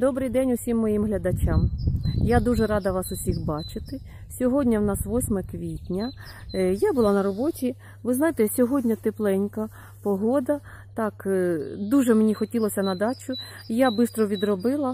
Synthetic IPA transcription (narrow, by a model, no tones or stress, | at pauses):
d̪ɔbɾɪjd̪ɛnʲʊsʲimːɔjimɦlʲɐd̪ɐt͡ʃamjad̪uʒɛɾɑd̪ɐʋɑsʊsʲixbɑt͡ʃɪt̪ɪ | sʲɔɦɔdʲnʲɐwnɑsʋɔsʲmɛkʋʲitʲnʲɐ | jabʊlˠɑnɐɾɔbɔtʲi | ʋɪznɑjet̪ɛsʲɔɦɔdʲnʲɐt̪eplˠɛnʲkɐ | pɔɦɔd̪ɐ | t̪ɑkd̪uʒɛmnʲixɔtʲilˠɔsʲɐnɐd̪ɑt͡ʃʊ | jabɪst̪ɾɔʋʲid̪ɾɔbɪlˠɐ